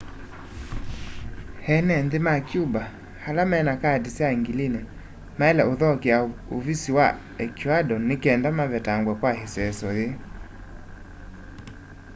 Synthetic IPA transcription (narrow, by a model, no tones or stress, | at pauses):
hɛnɛndemakjuba | halamɛːnakadisjaŋɡilinɛ | maɛlɛoðɔkeaovisiwa | ɛkʰuadɔnekɛndamaβɛtaŋɡwɛkwaheswɛsɔðe